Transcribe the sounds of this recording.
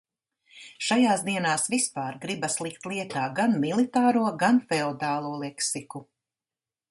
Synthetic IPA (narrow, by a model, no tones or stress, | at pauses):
ʃajaːzd̪iɛnaːsvispaːɾɡɾibɐslˠikt̪lˠiɛt̪aːɡanmilˠit̪aːɾuɔɡanfɛod̪aːlˠuɔlˠɛksiku